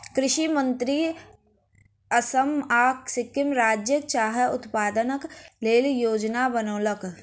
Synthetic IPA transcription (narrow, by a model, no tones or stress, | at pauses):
kɾɪʃimə̃nt̪ɾi | əsəmaːksɪkɪmɾaːd͡ʒjəkt͡ʃaːɦəʊt̪paːd̪ənəkleːljoːd͡ʒnabənoːlək